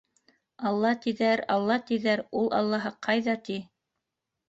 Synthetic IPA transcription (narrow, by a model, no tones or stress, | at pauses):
ɑlˠːɑt̪iðæɾɑlˠːɑt̪iðæɾulˠɑ̰lˠːɑɦɤqɑjðɑt̪i